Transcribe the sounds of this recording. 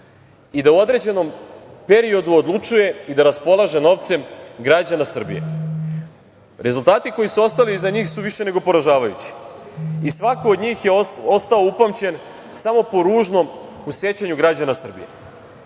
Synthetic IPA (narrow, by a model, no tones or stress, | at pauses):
id̪auo̞d̪ɾe̞d͡ʑe̞no̞mpe̞ɾio̞d̪uod̪lˠut͡ʂuje̞id̪aɾaspo̞lˠaʒe̞no̞ʋt̪se̞mɡɾad͡ʑanasr̩bḭjḛ | ɾe̞zulˠt̪aːt̪iko̞jisuo̞st̪aliːzaɲiːxsuʋiʃe̞ne̞ɡo̞po̞ɾaʒaːʋajṵt͡ɕi̥isʋakood̪ɲiːxjeo̞st̪ao̞upamt͡ɕe̞n | samo̞po̞ɾuːʒno̞m | usje̞t͡ɕaɲuɡɾad͡ʑanasr̩bḭje̞̰